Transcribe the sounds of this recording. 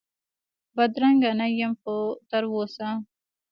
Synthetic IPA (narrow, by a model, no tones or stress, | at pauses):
bad̪ɾaŋɡanajamxot̪aɾwosa